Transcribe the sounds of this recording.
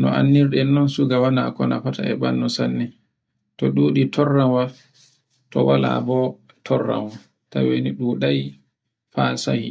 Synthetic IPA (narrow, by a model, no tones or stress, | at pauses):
nɔʔanːiɾɗɛnːɔnsuɡawanakɔnafataɛɓanːɔsanːi | tɔɗuɗitʰɔrːawa | tɔwala̰bɔ | tʰɔrːa̰nwa | taweniɗuːɗaj | fasahi